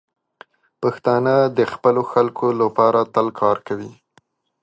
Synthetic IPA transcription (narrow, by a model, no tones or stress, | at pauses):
paxt̪ɑnəd̪əxpəloxalkʰolapɑɾat̪əlkʰɑɾkawi